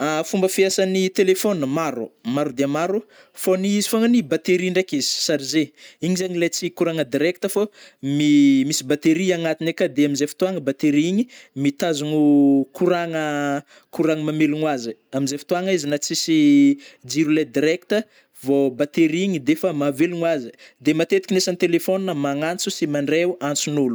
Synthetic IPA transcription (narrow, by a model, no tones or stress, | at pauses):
afumbəfiasanit̪elefonmaɾumaɾud̪eamaɾu | foniizifoŋanibat̪eɾiɳɖ͡ʐakizi̥saɾizeiɲizaɲilet͡sikuɾaŋəd̪iɾɛk̚t̪əfomimisibat̪eɾiaŋat̪inekad̪eamizefi̥t̪uaŋəbat̪eɾiiɲimit̪azunukuɾaŋə | kuɾaŋəmameluŋwazəamizefi̥t̪uaŋizinat͡sisid͡ʒiɾuled̪iɾɛk̚t̪ə | vobat̪eɾiɲid̪efəmaveluŋwazəd̪emat̪et̪ikʲinesant̪elefoninəmaŋant͡susimaɳɖ͡ʐeuant͡sunulu̥